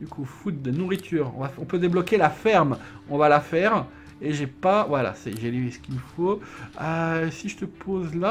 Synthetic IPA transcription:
d̪ykʰufut̪̚d̪enuʁit̪ʰyʁɔ̰̃vafɔ̃pød̪eblɔkʲelafɛʁm | ɔ̃valafɛːʁ | eʒɛpavwala̰sɛʒelevesə̥kʲiməfoøsiʒət̪əpʰozla

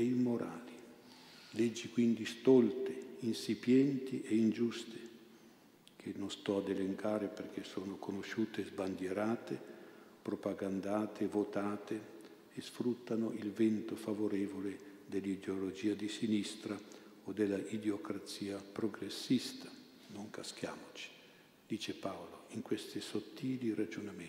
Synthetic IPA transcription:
eimoɾʔa̰ːli | led͡ʒːikwind̪ist̪ɔlt̪einsipjɛnt̪iʔeind͡ʒust̪e̥ | k̟ʰenonst̪ɔad̪eleŋkʰaːɾeperk̟esoːnokonoʃuːt̪ezband̪jeɾaːt̪e | pɾopaɡand̪aːt̪ʰevot̪aːt̪e | esfɾut̪ːanoilvɛnt̪ofavoɾɛːvoled̪elːid̪eolod͡ʒiːad̪isinist̪ɾa | od̪elːaʔid̪eokɾat̪siːapɾoɡɾesːist̪ḁ | noŋkask̟jaːmot͡ʃi̥ | d̪̥iːt͡ʃepaoloiŋkwest̪isot̪ːiːliɾad͡ʒoname

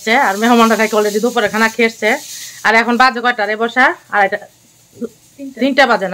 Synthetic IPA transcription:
t͡ɕʰeaɾmeɦɔmandakʰajkɔledid̪opɔɾekʰanakʰeeʃt͡ɕʰeaɾɛkʰɔnbad͡ʑekɔjʈaɾebɔʃaaɾɛʈa | id̪inʈabad͡ʑena

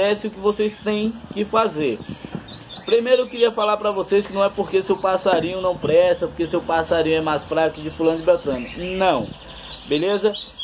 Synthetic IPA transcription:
ɛsɪʊkɪvosejst̪ẽj̃kɪfazeɾ | pɾimejɾʊʊkɪɾiɐfalaɾpɾɐvosejskɪnɐ̃w̃ɛpoɾkeʊsewpasaɾĩɲʊnɐ̃w̃pɾɛst̪ɐpoɾkeʊsewpasaɾĩɲʊɛmajsfɾakʊd͡ʒɪfulɐ̃nʊd͡ʒɪbɛt̪ɐ̃nɪnɐ̃w̃ | belezɐ

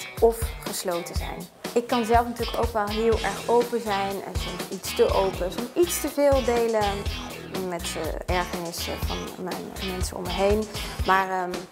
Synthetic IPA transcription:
ʔɔfχəslowtəzɛ̰jn | ɪkːɑnzɛlˠfnətyːləkowkʋɛlˠɦɪːlˠʔɛɹχowpəzɛjnə̰zɔnitstəʔowpəsɔnitstəvɪːlˠdejlə | mɛtɛɹχənɪsvɑ̰nmɛ̰jnmɛnsə̰ɔ̰mːəjɦejnmaːɹə

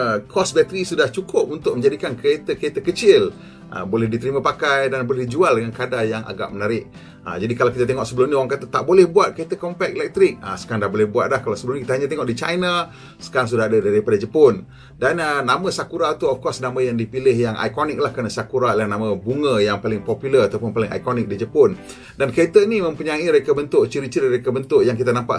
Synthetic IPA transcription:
kʰɔsbɛt̪əɾisudaht͡ʃukʰʊp̚unt̪ʊk̚mə̃ɲd͡ʒadikankəet̪əkəet̪əkət͡ʃɪl | ʔə̰bolɛhdit̪əɾimãpakajdanbolɛhdid͡ʒualdəŋankadajaŋʔa̰ɡa̰ʔ̚mənaɾɪʔ̚ | ə̰d͡ʒadikalawkit̪at̪ɛŋɔʔsəbəlʊmniowaŋkat̪ət̪aʔbolɛhbuat̪̚kəet̪əkɔmpɛk̚lɛk̚t̪ɾɪk̚a̰sə̥kaandahbolɛhbua̰t̪̚lahkalawsəbəlʊmnĩkit̪əɦaɲat̪eŋɔʔdit͡ʃajna | sə̥kaɾaŋs̬udahadadaɾipadad͡ʒəpʊn | danənːaməsakuɾat̪uɔfkɔsnamãjaŋdipilɪhjaŋʔa̰jkɔnɪk̚lahkəɾənasakuɾalanamãbuŋəjaŋpalɪŋpɔpjulərat̪awpʊnpalɪŋʔa̰jkɔnɪk̚did͡ʒəpʊn | dankəet̪əinimə̃mpuɲaiməɾekabənt̪ʊʔt͡ʃiɾit͡ʃiɾiəɾekabənt̪ʊʔjaŋk̬it̪anampa̰

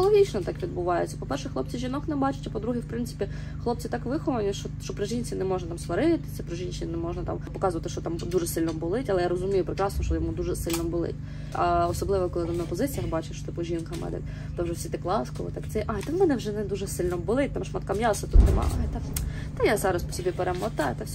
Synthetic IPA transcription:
ɔlˠɔɦʲit͡ʃnɔt̪ɑkʋʲid̪̚bʊʋɑjʊ̰t͡sʲːɐpɔpɛrʃɛxlˠɔp̚t͡sʲiʒʲinɔknɛbɑt͡ʃʊ̥tʲɐpɔd̪ɾuɦiwpɾɪnt̪sɪ̥pʲi | xlˠɔp̚t͡sʲit̪ɑkʋɪxɔʋɐnʲiʃɔʃt͡ʃɔpɾɪʒʲinʲt͡sʲinɛmɔʒnɐt̪ɑmsʋɐɾɪt̪ɪ̥sʲɐpɾɪʒinʲʃɪnʲnɛmɔʒnɐt̪ɑ̰mpɔkɑzʊʋɐt̪ɪʃt͡ʃɔt̪ɑmd̪uʒɛsɪlʲnɔbʊlˠɪtʲɐlˠɛjaɾɔzʊmʲijʊpɾɪkɾɑsnɔʃt͡ʃɔjɔmud̪uʒɛsɪlʲnɔbʊlˠɪ̰tʲ | ɐɔsɔblˠɪʋɔkɔlˠɪt̪ɪmnɐpɔzɪt͡sʲijɐxbɑt͡ʃɪʃt͡ʃɔ̥t̪ɪpʊʒʲinkɐmɛ̰d̪ɛ̰ | t̪ɔwʒɛwsʲit̪ɪklˠɑskɔʋɪ̰t̪akt̪sɛʔajt̪ɛwmɛnɛwʐɛnɛd̪uʒɛsɪlʲnɔbʊlˠɪt̚ʲt̪amʃmɐt̪kamjɑsɐt̪ut̪nɛmɑ̰ʔɑjt̪ɛ | t̪ɛjazɑɾɐspɔ̥sʲɔbʲipeɾemɐt̪ɑjt̪ɛsʲ

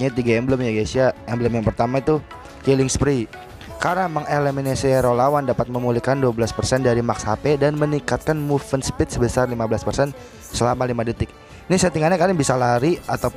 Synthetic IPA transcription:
ɲat̪iɡaɛmbləmjaɡasiaɛmbələmjaŋpərt̪amait̪u | kilɪŋspɾi | kaɾaməŋeleminasiɾolawandapat̪̚məmulihkanduablaspərsɛndaɾimakshapedanmənikat̪̚kanmufənspɪt̪̚səbəsarlimabəlaspərsɛn | səlamalimadət̪ɪk̚ | nisat̪iŋaɲakadəŋbisalaɾiat̪ap

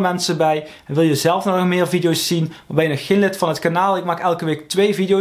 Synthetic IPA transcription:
mɛnsəbɛj | ɛnʋɪlˠjəzɛlˠfnɔχmɪːɹvidijowsːinʋaːɹbɛjənɔxeːnlɪtfɑnɦətkanaːlˠɪk̚maːkɛlˠkəʋeːk̚tʋejvidijo

